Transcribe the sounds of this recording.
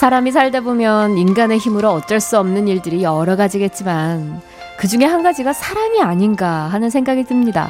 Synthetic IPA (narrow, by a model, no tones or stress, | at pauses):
sʰaɾamis̬ʰaɭdebomjʌninɡane̞çimɯɾoʌt͡ɕ͈ʌɭs͈uʌmnɯniɭdɯɾijʌɾʌɡad͡ʑiɡe̞t̚t͡ɕ͈iman | kɯd͡ʑuŋe̞ɦanɡad͡ʑiɡasʰaɾamiaɲinɡaɦanɯnsʰeŋɡaɡidɯmɲida̰